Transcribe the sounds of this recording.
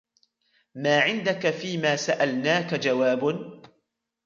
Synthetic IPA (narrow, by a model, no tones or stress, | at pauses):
maːʕɪnd̪akafiːmaːsaʔalnaːkad͡ʒawaːbn